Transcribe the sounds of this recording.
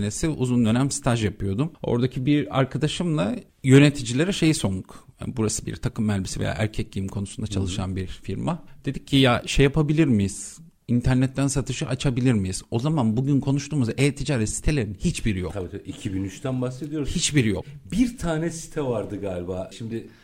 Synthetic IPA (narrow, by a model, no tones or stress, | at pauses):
nesiṵzund̪ø̞næmst̪ʰaʒjapɯjo̞d̪umo̞̰ɾd̪acʰibiɾa̰ɾkʰad̪aʃɯmlˠa | jø̞ne̞t̪ʰid͡ʒilʲe̞ɾɛʃe̞jso̞nd̪uka̰nbuɾasɯbḭɾt̪ʰakʰɯmːælʲbisivḛja̰ːʔæ̰ɾcʰɛclʲijimkʰo̞nusund̪at͡ʃʰalˠɯʃa̰nbiɾfiɾmad̪̥e̞d̪icʰːijaʃejːapʰabilʲiɾmijiz̥ | int̪ʰæɾnɛt̪ːænsat̪ʰɯʃɯʔat͡ʃʰabilʲiɾmijiz̥o̞zamanbuɟynkʰo̞nuʃt̪uːmuzeːt̪ʰid͡ʒaːɾɛt̪si̥t̪ʰe̞lʲeɾinhit͡ʃbiɾijokt̪ʰabiicʰibinyt͡ʃt̪ænbahse̞d̪ijo̞ɾhit͡ʃbiɾijo̞̰kbiɾt̪ʰaːnɛsi̥t̪ʰɛvaɾd̪ɯɡaːlʲbaːʃimd̪ɪ